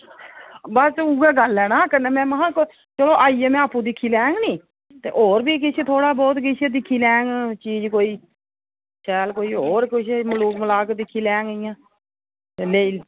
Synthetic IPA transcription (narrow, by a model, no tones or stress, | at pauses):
bəsuːɡɛːɡəlɛːnaːkəneːmɛ̃ːməɦãːk | t͡ʃəloːʔaːiːeːmɛ̃ːaːpũːd̪ɪkʰːiːlɛːŋɡniː | t̪ḛːʔoːɾbiːk̬ɪt͡ʃʰet̪ʰoːɽaːbɔːt̪kɪt͡ʃʰed̪ɪkʰːiːlɛːŋɡt͡ʃiːd͡ʒkoːiː | t͡ʃɛːlkoːiːɦoːɾkʊʃʰməluːkməlaːkd̪ɪkʰːiːlɛːŋɡɪjãː | t̪eːleːiː